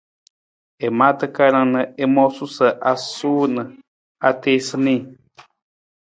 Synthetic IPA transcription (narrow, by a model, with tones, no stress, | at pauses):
e˨mã˦t̪ə˧ka˧ɾã˧nə̃˧e˧mõ˦su˦sə˨ʔa˧su˦nə̃˨ | a˧t̪e˧sɨ˧nĩ˧